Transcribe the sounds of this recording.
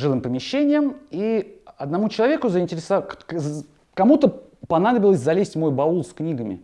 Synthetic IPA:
ʐɨlɨmpəmʲɪɕːenʲɪjəmiɐd̪nɐmut͡ɕɪlˠɐvʲekʊzəɪnʲtʲɪɾʲɪsɐ | kɐmut̪ə | pɐnad̪əbʲɪlˠəsʲzɐlʲesʲtʲmo̞jbɐulˠsknʲiɡəmʲɪ̰

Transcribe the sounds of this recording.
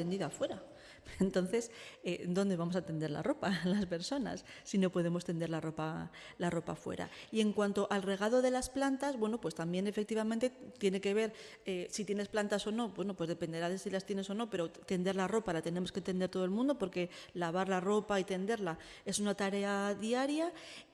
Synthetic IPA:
end̪iðafwe̞ɾa | ent̪o̞n̟θe̞sed̪o̞nd̪e̞βamos̬at̪e̞nd̪e̞ɾla̰ro̞palaspe̞ɾso̞na̰sːino̞po̞ðe̞mo̞st̪e̞nd̪e̞ɾlaro̞palaro̞pa̰fwe̞̰ɾa̰ie̞ŋkwant̪o̞ʔalre̞ɣaðo̞ðe̞lasplant̪azβwe̞no̞pwe̞st̪ambje̞ne̞fe̞k̚t̪iβamẽnt̪e̞t̪je̞ne̞ke̞β̞e̞ɾ | esit̪je̞nesplant̪aso̞no̞pwe̞no̞pwe̞zðe̞pe̞nd̪e̞ɾaðe̞silast̪je̞ne̞so̞no̞pe̞ɾo̞t̪e̞nd̪e̞ɾlaro̞palat̪e̞ne̞mo̞sket̪end̪eɾt̪o̞ð̞lmũnd̪o̞po̞ɾke̞laβ̞aɾlaro̞pait̪e̞nd̪e̞ɾla | e̞sunat̪aɾe̞aðiaɾja

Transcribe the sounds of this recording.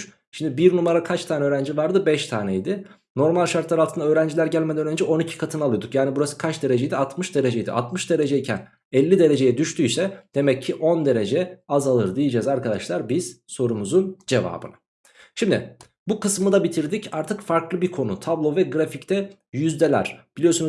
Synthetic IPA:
ʃimd̪ɪbiɾnumaɾakʰat͡ʃt̪ʰaːnɛøːɾænd͡ʒivaɾd̪ɯbɛʃt̪ʰa̰ːnɛjd̪ɪ | no̞ɾmalʲʃaɾt̪lˠaɾalt̪ʰɯnd̪aø̞ːɾænd͡ʒilʲæɾɟælʲmed̪ænøɾænd͡ʒɛo̞nicʰi̥kʰat̪ʰɯnalˠɯjod̪ukjaːnibuɾasɯ̥kʰat͡ʃd̪e̞ɾed͡ʒejd̪iat̪mɯʃd̪e̞ɾe̞d͡ʒejd̪ḭʔa̰t̪mɯʃd̪e̞ɾe̞d͡ʒɛicʰæn | ɛlʲːid̪e̞ɾe̞d͡ʒe̞jɛd̪yʃt̪ʰyjsɛd̪̥e̞mɛcʰːiʔo̞nd̪e̞ɾe̞d͡ʒɛazalˠɯɾd̪ijid͡ʒɛzaɾkad̪aʃlˠaɾbiz̥so̞ɾumuzund͡ʒe̞va̰ːbɯ̰nḁ | ʃimd̪ɪ̰ | bukʰɯsmɯd̪abit̪ʰiɾd̪icaɾt̪ʰɯkfaɾklˠɯbiɾkʰo̞nut̪ʰablˠo̞vɛɡɾafict̪ʰɛ | jyzd̪elʲæ̰ɾ̥b̥ilʲijo̞sun

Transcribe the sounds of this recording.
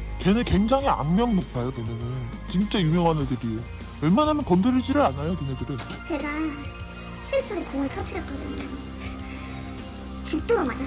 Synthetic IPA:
kenekwe̞ŋd͡ʑaŋɦia̰mːjʌŋnok̚pʰajokwemjʌnɯnt͡ɕint͡ɕ͈ajumjʌŋɦanɯdɯɾie | ʌɭmanɦamʌnkʌndɯɾɯɭd͡ʑiɾɯɭanajotɯnedɯɾɯn | t͡ɕe̞ɡa | sʰɯɭs͈ɯɾokoŋaɭtʰʌt͡ɕʰiɾʌk͈ʌdɯman | t͡ɕuk̚t͈oɾomad͡ʑa

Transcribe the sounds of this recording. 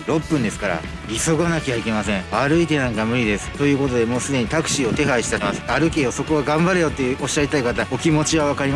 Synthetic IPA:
ɾo̞pːɯ̟̃nd̪e̞sɨ̥kaɾa̰ | iso̞ɡanakiaike̞masẽ̞aɾɯ̟it̪e̞nãŋkamɯ̟ɾʲid̪e̞sɨ̥t̪o̞jɯ̟ːko̞t̪o̞d̪e̞mo̞ːsɨd̪e̞ɲ̟it̪akɯ̟̥ɕiːo̞t̪e̞ɦaiɕi̥t̪aɾemasɨ̥aɾɯ̟ke̞jo̞so̞ko̞ɡaɡãmbaɾɯjo̞t̪ːe̞jɯ̟ːʔo̞ɕːait̪aikat̪ao̞kʲimo̞t͡ɕiβaβ̞akaɾʲima

